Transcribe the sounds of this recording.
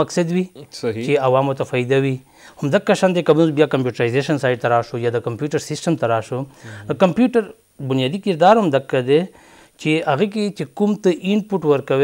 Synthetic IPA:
ɐksɐd̪wit͡ʃeɐwaːmoɾt̪afaid̪awi | hʊmd̪ɐkːaʃand̪ekɐbunzbjakɐmpjuːʈɾajzeʃɐnsaːɪʈ̚t̪aɾaːʃojad̪əkɐmpjuːʈɐɾsɪsʈɐmt̪ɐɾaːʃod̪kɐmpjuːʈɐɾ | bʊnijaːd̪ikiɾd̪aːɾɦʊmd̪ɐkːad̪e | t͡ʃeɐɣek̬et͡ʃekumt̪əʔɪnpuʈwɐɾkɐwe

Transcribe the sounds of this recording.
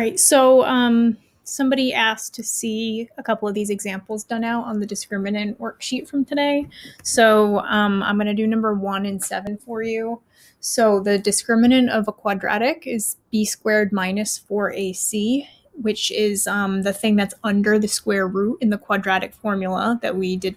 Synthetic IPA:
ɹaɪtsoʊʌ̃m | sʌ̃mbɑɾiʔæstʰɨsiəkʰʌpl̩ˠʌvðizɨɡzæ̃mpl̩ˠzdʌ̃naʊɾn̩ðɨdɨskɹɪ̃mɨnɨ̃nʔwɜ˞kʃitfɹʌ̃mtʰɨɾeɪsoʊʌ̃mã̰ɪ̃mɡʌ̃nɨdɨnʌ̃mbə˞wʌ̃nɨ̃nsɛvɨ̃nfə˞jʉ | soʊðɨdɨskɹɪ̃mɨnɨ̃nʌvəkʰw̥ɑdɹæ̰ɾɪkɪzb̥iskwɛɹd̚mãɪ̃nɨsfə˞ʔeɪsi | wɪt͡ʃɪzʌ̃mðɨθɪ̃ŋðɨtsʌ̃ndə˞ðɨskwɛɹɹʉɾɨ̃nðɨkʰw̥ɑdɹæɾɨkfɔɹmjl̩ˠəðɨ̰ʔ̚widɨd̚

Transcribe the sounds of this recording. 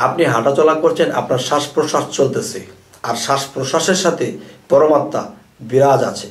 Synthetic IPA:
apniɦaʈat͡ɕɔlakoɾt͡ɕʰena̰pnaɾʃaʃpɾoʃaʃt͡ɕolt̪esʰe | aɾʃaʃpɾoʃaʃeɾʃat̪ʰepɔɾomat̪ːa | biɾad͡ʑa̰t͡ɕʰe̥

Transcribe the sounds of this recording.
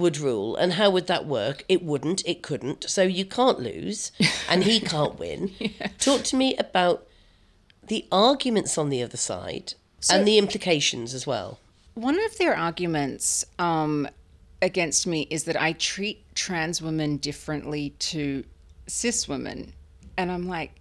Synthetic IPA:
wəd̚ɹuːlˠə̰̃nɦaʊwəd̪̚ðəʔwɜ̰ˑ˞kɪʔ̚wʊdⁿn̩tʰɪt̚kʰʊdⁿn̩tsoʊjɨkʰɑ̃ˑnʔlʉ̰ːz̥ʔə̃nikʰɑ̃ˑnʔwɪ̰̃ntʰɔˑk̚tʰəmiʔəbaʊt̪ | ðiʔɑɹɡjɨmə̃ntsn̩ðiʌðəsa̰ɪd̥ | sə̃nðiɪ̃mpʰlɨkʰeɪʃɨ̃n̩zəzwɛ̰lˠ | wʌ̃nʌvðə˞ʔɑɹɡjɨmɨ̃ntsʌ̃mɨɡɛ̃nst̚miʔɪzðɨɾa̰ɪtʰɹ̥itʰɹ̥æ̃nzwɪ̃mɨ̃ndɪfɹɨ̃nʔlitʰɨsɪswɪ̃mɨ̰̃n | ɨ̃nãɪ̃mlaɪk̚

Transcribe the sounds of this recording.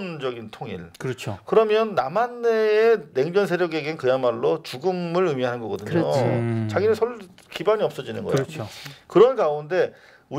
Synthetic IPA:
nd͡ʑʌɡintʰoŋḭɭʌt͡ɕʰkɯɾʌmjʌnːamanːeːne̞ŋd͡ʑʌns̬ʰe̞ɾjʌɡeɡenkɯjamaɭːot͡ɕuɡɯmɯɾɯmiɦanɯnɡʌɡʌdɯɲot͡ɕaɡinesʰʌɭ | kibaɲiʌp̚s͈ʌd͡ʑinɯ̰nɡʌjookɯɾʌnkaunde̞ | u

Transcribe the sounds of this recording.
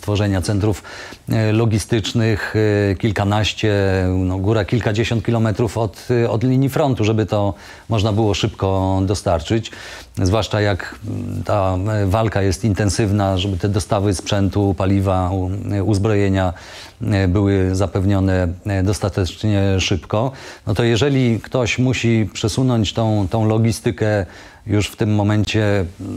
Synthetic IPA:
st̪fɔʐɛɲat̪sɛnt̪ɾuf | lɔɡʲist̪ɘt͡ʂnɘxkʲilkanaɕt͡ɕɛnɔɡuɾakʲilkad͡ʑeɕɔnt̪̚kʲilɔmɛt̪ɾufɔt̪ɔd̪lʲiɲifɾɔnt̪uʐɛbɘt̪ɔ | mɔʐnabɘwɔʂɘpkɔd̪ɔst̪aɾt͡ʂɘt͡ɕ | zvwaʂt͡ʂajakt̪ʰavalkajɛst̪int̪ɛñsɘvnaʐɛbɘt̪ɛd̪ɔst̪avɘspʂɛnt̪upalʲivauzbɾɔjeɲa | bɘwɘzapɛvɲɔnɛd̪ɔst̪at̪ɛt͡ʂɲɛʂɘpkɔnɔt̪ɔjɛʐɛlʲikt̪ɔɕmuɕipʂɛsunɔɲt͡ɕt̪ɔ̃w̃t̪ɔ̃w̃lɔɡʲist̪ɘkɛ | juʂft̪ɘmːɔmɛɲt͡ɕɛ

